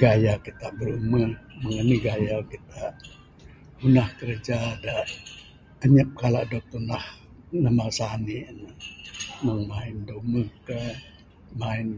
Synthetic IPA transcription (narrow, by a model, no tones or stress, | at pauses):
ɡajakit̪aʔbəɾuməməŋəniɡajakit̪aʔ | unahkəɾəd͡ʒada | əɲəp̚kalaʔdok̚t̪unah | nahmasaniənəməŋmaɪndoməkə | maɪn